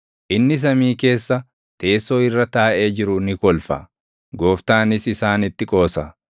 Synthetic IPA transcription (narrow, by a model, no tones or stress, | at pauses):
ʔɪnːɪs̬ɐmiːke̞ːsːɐ | t̪e̞ːsːo̞ːɪrːɐt̪aːʔeːd͡ʒɪɾʊnɪkɔlfɐ̰ | ɡo̞ːft̪aːnɪsɪsaːnɪt̪ːɪkʼo̞ːsɐ